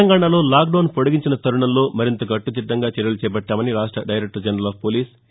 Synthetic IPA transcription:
ɐŋɡaːɳalo̞ːlaːk̚ɖoːnpoɽuɡiɲt͡ʃinɐt̪ɐɾuɳɐmlo̞ːmɐɾint̪ɐɡɐʈːut͡ʃ̪id̪ːɐŋɡaːt͡ʃɛɾɐlut͡ʃɛːpɐʈːaːmɐniɾaːʂʈɾɐɖɐjɾek̚ʈɐɾd͡ʒɐnɾɐlaːppoːliːs

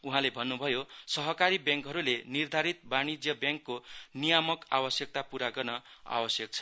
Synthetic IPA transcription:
uɦãlebʱʌnːubʱʌjosʌɦʌkaɾibjãŋkɦʌɾulenird̪ʱaɾit̪̚bañid͡zjʌbjãŋkːonijamʌka̰bʌsjʌk̚t̪apuɾaɡʌrnʌa̰bʌsjʌk̚t͡sʰʌ̥

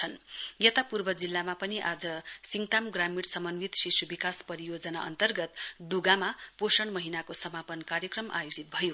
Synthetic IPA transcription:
t͡sʰʌnjet̪apurbʌd͡zilːamapʌniʔad͡zʌsiŋt̪amɡramiɽsʌmʌnbit̪sisubikaspʌɾijod͡zʌnaʔʌ̰nt̪ʌrɡʌt̪ɖuɡamaposʌɳmʌɦinakosʌmapʌnkaɾjʌkrʌmʔa̰jod͡zit̪̚bʱʌjo

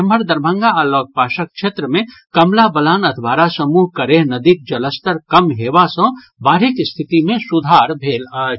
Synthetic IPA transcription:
məɾd̪əɾbʱə̃ŋɡalɔɡ̚paːʃək̚ʃʰeːt̪ɾəmẽ | kɐmlabəlaːnəd̪ʱbaːɾasəmuːɦkəɾeɦnəd̪ik̚d͡ʒɐləst̪əɾkɐmɦeːʋasə̃ | baːɾikst̪ʰɪt̪imẽsud̪ʱaːɾbʱeːla

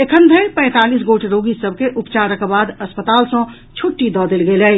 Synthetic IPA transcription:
ekʰənd̪ʱəpɛ̃ɪ̃t̪alisɡoʈʰɾoɡisəb̚keʔupt͡ʃaɾəkbad̪əspət̪aːlsə̃ | t͡ʃʰuʈːid̪ɔd̪elɡelɛj

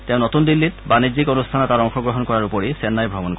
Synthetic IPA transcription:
tẽʊ̃notundilːitbanizikɔnustʰanɔtaɔŋxɔɡɹɔɦɔnkɔɹaɹupɔɹisɛnːajbʱɹɔbɔnk

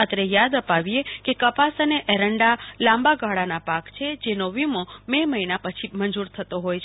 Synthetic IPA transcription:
ət̪ɾejad̪əpaʋijekekəpasəneʔeɾəɳɖalãmbaɡʱaɭanapakt͡ʃʰed͡ʒenoʋimomeməɦinapət͡ʃʰimənd͡ʒuɾt̪ʰət̪oɦojt͡ʃʰ

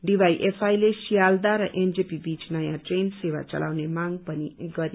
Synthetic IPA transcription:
ɖibʱajʔepʰajlesijald̪aɾʌʔend͡zepibit͡snʌjãʈrensewa̰t͡sʌ̰lʔa̰wnemaŋɡpʌniɡʌɾi

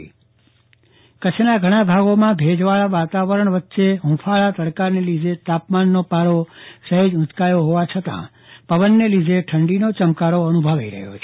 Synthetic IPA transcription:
kət͡ʃʰnaɡʱəɽ̃abʱaɡomãbʱed͡ʒʋaɭaʋat̪aʋəɾəɳ̃ʋət̪ːʃeɦũfʰaɭat̪əɾkaɾnelid̪ʱet̪apmanːopaɾosəɦed͡ʒʊ̃t̪kajoɦoʋat͡ʃʰət̪ã̰ | pəʋənːelid̪ʱeʈʰəɳɖinot͡ʃəmkaɾoənubʱəʋaiɾə̰ɦjo̰t͡ʃʰ

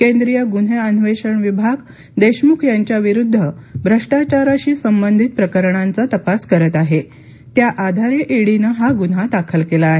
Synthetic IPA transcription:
kend̪ɾijəɡun̤eənʋeɕəɳʋibʱaɡ | d̪eɕmukʰjaɲt͡ɕjaʋiɾud̪ʱːəbʱɾəʂʈat͡ɕaɾaɕiːsəmbənd̪ʱit̪̚pɾəkəɾɳant͡sat̪əpaskəɾət̪aɦe | t̪jaʔad̪ʱaɾeʔeɽinəɦaɡun̤ad̪akʰəlkelaːɦe

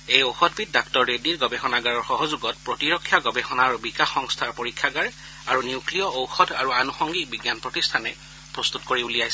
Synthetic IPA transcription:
ejowxɔdʱbit̚daktɔɹːediɹɡɔbɛxɔnaɡaɹɔɹxɔɦɔzuɡɔt̚pɹɔtiɹɔkʰːjaɡɔbɛxɔnaɹbikaxɔŋstʰaɹpoɹikʰːaɡaɹ | aɹuniuklijɔowxɔdʱaɹuanuxɔŋɡik̚biɡjanpɹɔtistʰanɛ | pɹɔst̪utkoɹiulijajsɛ

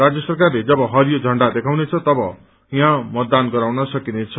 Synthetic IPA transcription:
ad͡zjʌsʌrkarled͡zʌbʌɦʌɾjod͡zʱʌɳɖad̪ekʰawnet͡sʰʌt̪ʌbʌ | jãmʌd̪ːanɡʌɾawnʌsʌkinet͡sʰʌ

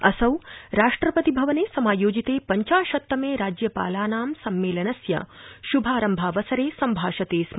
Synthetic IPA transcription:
ɐsɐwɾaːʂʈɾɐpɐt̪ibʱɐʋɐneːsɐmaːjoːd͡ʒit̪eːpɐɲt͡ʃaːʃɐt̪ːɐmeːɾaːd͡ʒjɐpa̰ːlaːnaːmsɐmːeːlɐnɐsjɐ̰ʃubʱaːɾɐmbʱaːʋɐsɐɾeːsɐmbʱaːʃɐt̪eːsm

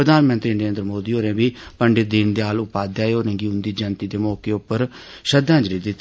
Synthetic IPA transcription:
əd̪aːnmə̃nt̪ɾiːnəɾeːnd̪ɾəmoːd̪iːoːɾẽːbiːpəɳɖɪd̪ɪnd̪eːaːlʊpaːd̪jaːeoːnẽːɡiːʊnd̪iːd͡ʒənt̪iːd̪eːmɔːkeːʊpːəɾ | ʃəd̪ãːd͡ʒɾiːd̪ɪt̪ː

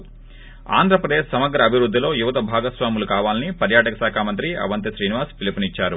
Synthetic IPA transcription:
a̰ːnd̪ʱɾɐpɾɐd̪eːʃsɐmɐɡɾɐːbʱiʋɾud̪ʱːilo̞ːjuʋɐt̪ɐbʱaːɡɐsʋaːmulukaːʋaːlɐnipɐɾjaːʈɐkɐsaːkʰaːmɐnt̪ɾiɐ̰ʋɐnt̪ɐʃɾiːniʋaːspʰilipɐnit͡ʃːaːɾu

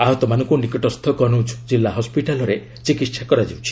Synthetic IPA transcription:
aɦɔt̪ɔmanɔ̃ŋkunikɔʈɔst̪ʰɔkɔnowd͡ʒʰd͡ʒilːaɦɔspiʈalɔɾe | t͡ʃikit̪ːʃʰakɔɾad͡ʒiwt͡ʃʰi̥

